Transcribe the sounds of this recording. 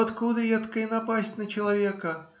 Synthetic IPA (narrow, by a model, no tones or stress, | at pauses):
ɐt̪kud̪ɨjɛt̪kɐinapasʲtʲnɐt͡ɕɐlˠavʲɛkɐ